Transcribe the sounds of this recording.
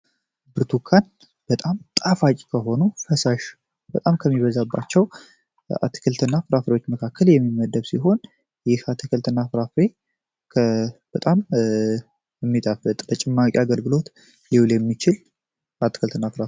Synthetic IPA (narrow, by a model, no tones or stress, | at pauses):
bɨɾt̪ʰukʰːan | b̥ət̪ʼamt̪ʼafakʼkʰəɦo̞nufəsaʃ | b̥ət̪ʼamkʰəmːiβəzabːa̰t͡ʃːɛw | a̰t̪ʰːi̥kʰɨlt̪ʰɨnːafɨɾafɾewo̞t͡ʃːməkʰakːəljɛmːimːəd̪əβsiɦo̞n | jɪhat̪ʰɨkʰɨlt̪ʰɨnːafɨɾafɾe | kʰb̥ət̪ʼam | ɛmːit̪ʼafət̪ʼbət͡ʃʼɪmːakʼiaɡəlɡɨlo̞t̪ | liwljɛmːit͡ʃɪl | at̪ʰːikɨlt̪ʰɨnːafɨɾaf